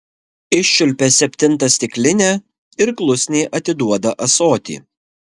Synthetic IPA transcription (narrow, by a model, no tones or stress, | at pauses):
ɪʃʲːʊlʲpʲeːsʲɛpʲt̪ʲɪnˑt̪ɐsʲt̪ʲɪklʲɪnʲe | ɪɾklˠʊsʲnʲeːʔɐt̪ʲɪd̪uɔd̪ɐʔɐsoːt̪ʲḭː